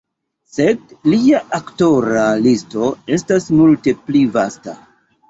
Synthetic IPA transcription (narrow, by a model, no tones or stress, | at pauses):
se̞dliaʔakto̞ɾalisto̞e̞stasmulte̞plivasta̰